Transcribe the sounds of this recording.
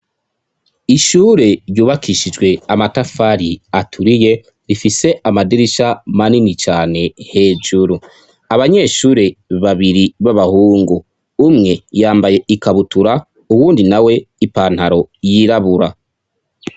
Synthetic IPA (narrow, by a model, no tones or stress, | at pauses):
iʃuːɾe̞ɾjuːβakʰiʃid͡ʒɡwe̞amatafaɾiatʰuɾije̞ | ɾifise̞amadiɾiʃamaninit͡ʃaːne̞he̞ːd͡ʒuɾu | aβaɲe̞ːʃuːɾe̞βaβiɾiβaβahuːŋɡu | umŋe̞jaːmbaje̞ʔikaβutuɾa | uwuːndinawe̞ipaːn̥haɾo̞jiːɾaβuɾa